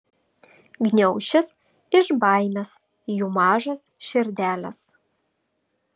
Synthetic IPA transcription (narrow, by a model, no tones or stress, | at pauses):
ɡnʲɛʊʃʲɪs | ɪʒbɑˑɪmʲɛs | juːmɑːʒɐsʃʲɪɾʲd̪ʲæːlʲɛs